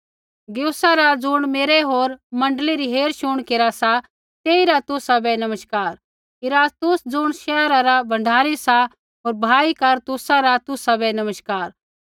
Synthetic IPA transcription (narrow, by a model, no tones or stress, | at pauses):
ɡjoːsaɾad͡zʊɽ̃meːɾɛɦoːɾmɐ̃ɳɖəliɾiɦeːɾʃʊɽ̃keːɾasa | t̪eːiɾat̪ʊsabɛnɐməʃkaːɾ | ɪɾaːst̪ʊsd͡zʊɽ̃ʃɛːɾaɾabʱɐ̃ɳɖʱaːɾisa | ɦoːɾbʱaːikɐɾt̪ʊsaɾat̪ʊsabɛnɐməʃkaːɾ